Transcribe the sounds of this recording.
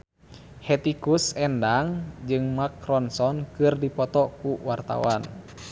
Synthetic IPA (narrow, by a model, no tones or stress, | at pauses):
hɛt̪ikusɛndaŋd͡ʒɨŋmakɾɔnsɔnkɨrdipɔt̪ɔkuwart̪a̰wan